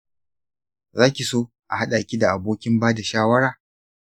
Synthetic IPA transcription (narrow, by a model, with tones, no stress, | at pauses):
zaː˦kʲi˨soː˦ | ʔa̰˨ɦa˦ɗa˨kʲi˦da˨ʔa˨boː˦kʲɪ˦mbaː˦da˨ʃaː˦wɐ˦ɽaː˨